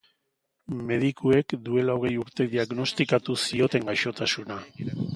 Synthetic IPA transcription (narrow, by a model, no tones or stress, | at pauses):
me̞ðikʰue̞kd̪ue̞laoɣ̞e̞juɾt̪e̞ðiaɣno̞st̪ikat̪usio̞t̪e̞ŋɡajʃo̞t̪asuna